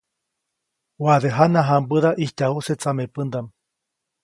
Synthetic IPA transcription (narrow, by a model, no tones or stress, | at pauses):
waðeɦanãɦambɨðaʔiht̪ʲauset͡samepɨnd̪am